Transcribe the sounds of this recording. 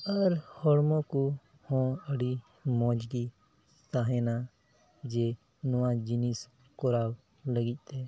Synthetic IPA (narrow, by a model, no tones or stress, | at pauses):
əɾhɔɽmõːku | hɔ̃ːəɽi | mɔ̃ːd͡ʒɡi | st̪aːɦɛna | d͡ʒeː | nʊwãd͡ʒinis | kɔɾaːw | ləɡɪc̚ˀt̪ɛ